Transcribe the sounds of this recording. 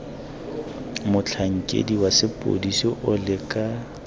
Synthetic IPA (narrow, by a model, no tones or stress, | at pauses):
mʊt͡ɬʰaŋ̩kʼḛdiwasɪpʼo̰disiʔʊlɪkʼa